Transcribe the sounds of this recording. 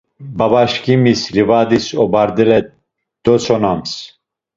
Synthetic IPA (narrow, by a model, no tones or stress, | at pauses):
bɐbaʃkimislivaːd̪isobaɾd̪ɨɾɛ | d̪̥osonams